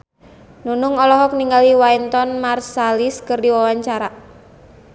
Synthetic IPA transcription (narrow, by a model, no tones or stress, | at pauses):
nunʊŋɔlɔɦɔk̚niŋɡaliwajnt̪ɔnmarsaliskɨrdiwawaɲt͡ʃaɾa